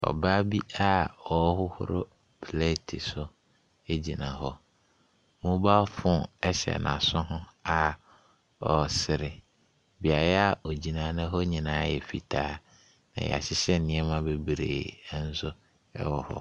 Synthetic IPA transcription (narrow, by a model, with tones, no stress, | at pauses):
ɔ̰˨ba˦bi˦a˦ɔ˨˦hʊ˦hʊ̰˦ɾʊ̰˦ | pʰle˦tʰi˨sʊ˦ | e˦d͡ʑi˨nã˨ɦɔ˦ | mʊ̃˦ba˦fʊ̃˦˨ɛ˦ɕɛ̰˨nʔã̰˨sʊ̃˦ɦʊ̃˦a˨ | ɔ˨sɪ˨ɾɪ˨ | bi˨a˨jɛ˦a˦˨ʔo˨d͡ʑi˨nã˨˦nɪ̃˦ɦɔ˦ɲĩ˨nãː˨˦jɛ˨fi˨tʰaː˦ | nã̰˨j̰ɛ̰˨a̰˨ɕɪ˦ɕɛ˦n˦nɪ̃˨˦ɛ˦mã˦be˦bɾḛː˨˦n̩˦sʊ˦ | ɛ̰˦wɔ˨hɔ̰˦